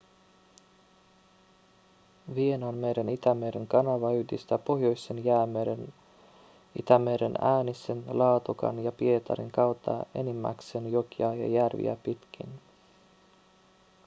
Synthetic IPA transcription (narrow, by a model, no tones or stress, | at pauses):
ʋie̞nɑnmeɾenit̪æmeɾeŋkɑnɑʋɑyd̪ist̪æpo̞ɦjo̞jsːenjæːmeɾen | ḭt̪æmeɾenæːnisenlɑːt̪ukɑ̰njɑpie̞t̪ɑ̰ɾḭŋkɑwt̪ʰːɑ̰e̞nimːæ̰ksenjokiɑjɑ̰jærʋḭæ̰pit̪k̟ʰḭn